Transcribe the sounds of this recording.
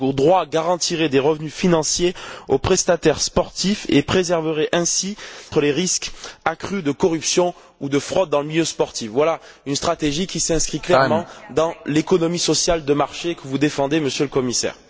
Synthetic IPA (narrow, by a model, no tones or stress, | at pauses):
od̪ʁwaɡaʁɑ̃t̪iʁed̪eʁəvnyfinɑ̃sjeopχɛst̪at̪ɛʁspɔʁt̪ifḛpχezɛʁvəʁɛʔɛ̃sit̪əleʁiskakχyd̪əkɔʁypsjɔ̃ | ud̪əfχɔd̪̚ːɑ̃ləmiljøspɔʁt̪ifvwala | ynst̪χat̪eʒikʲisɛ̃skχiklɛmɑ̃d̪ɑ̃lekɔnɔmisɔsjald̪əmaʁʃekəvud̪efɑ̃d̪eməsjøləkɔmisɛ̰ːʁ